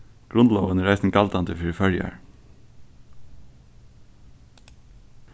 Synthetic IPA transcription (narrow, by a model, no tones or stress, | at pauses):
ɡ̥ɹʊnloːʋənəɹæɪsn̩kʰɑlt̪ɑnt̪ʰəfʏɹfœljæ̰ɹ